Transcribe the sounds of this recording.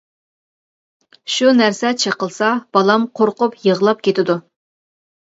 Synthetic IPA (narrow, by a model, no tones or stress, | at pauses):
ʃunæɾsɛt͡ʃʰəqəlˠsɑb̥ɑlˠɑmqʰoɾqʊpjəʁlˠɑp̚kʲet̪ɪd̪u